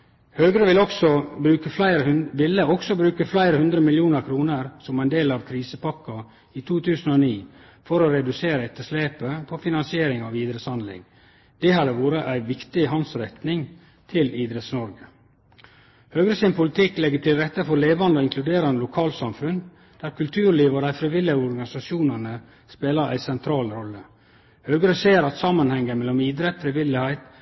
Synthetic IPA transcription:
høːɡɾəʋɪlɔksɔbɾʉːkəflæɪɾəʋɪlːəɔksɔbɾʉːkəflæɪɾəhʉnd̪ɾəmɪljuːnəɾkʰɾuːnəɾsɔmæɪnd̪eːlɑʋkʰɾiːsəpʰɑkːɑ | it̪ʰuːt̪ʰʉːsənoːniː | fɔɾɔɾɛd̪ʉseːɾəɛt̪ːəʂleːpəpʰɔfɪnɑnsɪeːɾɪŋɑʋiːd̪ɾəshɑnd̪lɪ̰ŋ | d̪̥ɛhɑd̪əʋuːɾəʔæɪʋɪkt̪ɪɦɑnsɾɛt̪nɪŋ | t̪ʰɪliːd̪ɾɛt̪snɔɾɡə | høːɡɾəsɪnpʰʊlɪt̪ʰɪkːlɛɡːəʈʰɪlɾɛt̪ːəfɔɾleːʋɑnd̪ɔɪŋkʰlʉd̪eːɾɑnəlʊkʰɑːlsɑmfʉn | d̪̥æːɾkʰʉlt̪ʰʉːɾɭiːʋəɾæɪfɾɪʋɪlɪhæɪɔɾɡɑnɪsɑʃjuːnənə | speːləɾʔæ̰ɪsɛnt̪ʰɾɑːlɾɔlːə | høːɡəɾəseːɾɑt̪sɑmːɑnhɛŋːəmɛlːɔmiːd̪ɾɛt̪fɾɪʋɪlːɪhæɪt̪

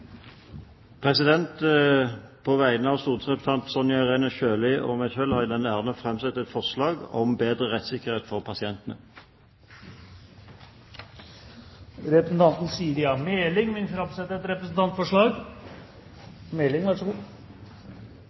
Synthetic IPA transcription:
pʰʁɛsɪd̪ɛnt̪ | pʰoːʋæɪənəɑʋst̪uːd̪sʁɛpət̪ʰɑnt̪sɔnjɑʁeːnəçøːlɪʔɔ̰ːmæçœlhɑd̪ɛnæːʁnəfʁɛmsɛt̪ːɛt̪fɔʁslɑːɡɔ̰mbeːd̪ʁəʁɛt̪sɪkːəʁheːt̪fɔʁpʰɑsɪɛnt̪ənə | ɾɛpɾəsn̩t̪ʰɑnt̪n̩siːɾɪɑmeːlɪŋmɪnfɾɑmsɛt̪ːəɾɛt̪ɾɛpɾəsn̩t̪ɑnt̪fɔʂɭɑːɡ | mɛːlɪŋʋæʂɡuː

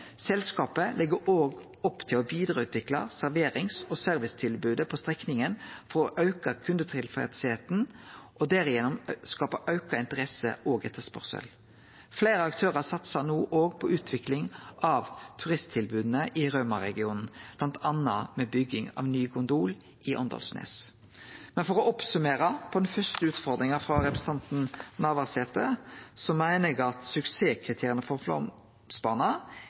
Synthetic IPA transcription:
sɛlskɑːpəlʔɪɡəoːɡ | ɔpːt̪ʰɪlɔʋiːd̪ɾɑʉːt̪ʰʋɪklɑ̰sæɾʋeːɾɪŋsosœɾʋɪst̪ʰɪlbʉːd̪əpʰɔst̪ʁɛknɪŋənfɔɾɔʔɑʉkɑkʰʉnd̪ət̪ʰʁɪlfɛɪt̪seːt̪nʔɔd̪æɾɪjɛnɔmskɑːpɑʔɑʉkɑɪnt̪əʁɛsə̰ʔoːɡɛt̪ːəspɔ̰ʁsə̰l | fleːɾəɑkt̪ʰøːʁəsɑt̪sɑnuːʔoːɡpʰɔʔʉːt̪ʰʋɪklɪŋʔɑʋt̪ʰʉʁɪst̪ʰɪlbʉːd̪n̩əʔɪʁøːmɑɾɛ̰ɡɪuːnn̩b̥lɑnt̪ʰɑnɑ̰mɛbʏɡːɪŋɑ̰ʋnyːkʰʊnd̪uːl | ɪʔɔ̰nd̪ɑ̰lsnḛːs | mɛnfɔɾɔʔɔpsʉmeːɾəpʰɔd̪ɛnfœst̪əʉːt̪fɔʁd̪ɾɪŋəfɾɑɾɛpɾəs̩t̪ɑnt̪n̩nɑːʋɑʁseːt̪əsɔmæɪnəɡɑt̪sʉkseːkʰɾɪt̪ʰeːɾɪənəfɔflɔ̰m | spɑnɑ

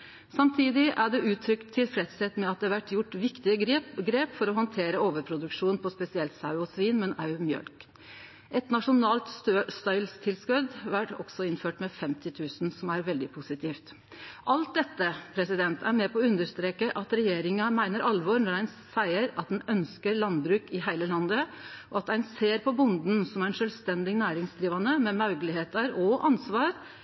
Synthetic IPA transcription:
sɑmt̪ʰiːd̪ɪʔæɖɛʔʉːt̪ʰːɾʏkt̪ʰːɪlfɾɛt̪sɛt̪mɛɑt̪̚d̪ɛːʋæʈːjʊʈːʋɪkt̪ɪəɡɾeːpfɔɾɔɦɔnt̪ʰeːɾəoːʋəɾpʰɾʊd̪ʉkʂuːnpʰɔspɛsɪɛlt̪sɑʉɔsʋiːnmɛnɑʉmjœ̰lk | ʔɛt̪nɑʂʊnɑːlt̪st̪ɑʏlst̪ʰɪlskʉd̪ʋæʈɔ̰ɡ̥sɔɪnføːʈmɛfɛmt̪ɪt̪ʰʉːsn̩sɔmæɾʋɛld̪ɪpʰusɪt̪ʰiːft̪ | ʔɑlt̪̚d̪ɛt̪ːəpʰɾɛsɪd̪ɛnt̪ʰæɾmɛpʰɔːʉnd̪əʂt̪ɾeːkəʔɑt̪ɾɛjeːɾɪŋɑmæɪnəɾʔɑlʋɔɾnɔɾæɪnsæɪəɾɑt̪̚d̪nœnskəɾlɑnbɾʉːkɪɦæɪləlɑnd̪əʔɔɑt̪æɪnseːɾpʰɔbʊnd̪n̩sɔmæɾɛnʂœːlʋst̪ɛnd̪ɪnæːɾɪŋsd̪ɾiːʋɑnəmɛmɑʉɡəlɪheːt̪ɑɾɔʔɑnsʋɑːɾ

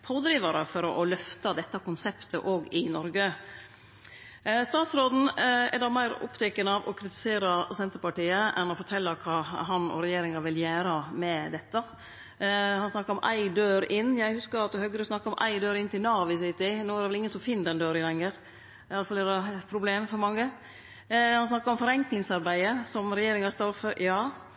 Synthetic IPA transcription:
pʰoːd̪ɾiːʋɑɾə̰fɔɾɔʔɔlœft̪ɑd̪ɛt̪ːɑkʊnsɛpt̪ʰə̰ʔoːɡɪnɔɾɡə | st̪ɑːt̪sɾoːd̪n̩ɛ̰dɑmæɪɾʊ̰pt̪ʰɛkənəɑʋɔ̰kʰɾɪt̪ɪ̥seːɾɑsɛnt̪əɾpɑʈiːəʔɛ̰nɔfɔʈʰɛlːəkʰɑːɦɑnɔ̰ɾɛjeːɾɪŋɑʋɪljæːɾɑmɛd̪ɛt̪ːə | hɑnsnɑkːɑɾɔmʔæ̰ɪd̪øːɾɪnːjæɪhʉskəɾɑt̪̚d̪ʉhœɡːəɾəsnɑkːɑɔmʔæ̰ɪd̪øːɾɪnt̪ʰɪlnɑːʋɪsɪt̪ɪnoːæɾdɛʋɛlɪŋəsɔmfɪnd̪ɛnd̪øːɾɪlɛŋːəɾ | jɑləfɑlɛd̪ɑpʰɾʊbleːmfɔɾmɑŋːə | hɑns̬nɑkːɑɾɔmfɔɾɛŋklɪŋsɑɾbæɪəsɔmɾɛjeːɾɪŋɑst̪ɑɾfəjɑː

